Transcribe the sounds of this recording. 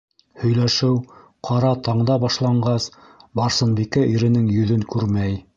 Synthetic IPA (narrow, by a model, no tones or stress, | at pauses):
hɵ̆jlæʃɘw | qʰɑɾɑt̪ɑɴd̪ɑbɑʃlˠɑɴɢɑs | bɑɾsɤ̆nbikæʔiɾɘ̆nɘŋjɵ̆ðɵŋkʉɾmæj